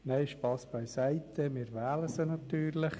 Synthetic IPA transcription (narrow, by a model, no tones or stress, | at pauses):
nɛɪʃpɑsb̥aɪsæɪt̪əmɪːɾʋæːləsənɑt̪yːɾlɪχ